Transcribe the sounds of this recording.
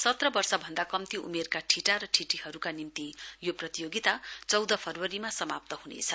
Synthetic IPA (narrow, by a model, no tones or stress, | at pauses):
sʌt̪rʌbʌrsʌbʱʌnd̪akʌmt̪iṵmerkaʈʰiʈaɾʌʈʰiʈihʌɾukanimt̪ijoprʌt̪ijoɡit̪at͡sʌwd̪ʌpʰʌrwʌɾimasʌmap̚t̪ʌɦunḛt͡sʰʌ